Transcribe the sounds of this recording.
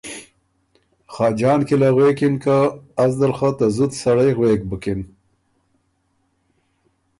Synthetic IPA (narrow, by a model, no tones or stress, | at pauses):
xɑːd͡ʒɑːnkilaɣwekɪnkaːzd̪alxət̪azut̪saɽajɣweːk̚bəkɪn